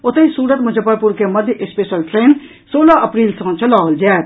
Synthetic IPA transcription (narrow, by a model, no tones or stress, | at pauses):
ʊt̪eisuːɾət̪mʊd͡ʒʱəpəɾpuɾkemɐd̪ʱjəʔɪspeːʃəlʈʰɾeːn | soːlaʔɐpɾiːlsɐ̃t͡ʃʰəlaːld͡ʒɛː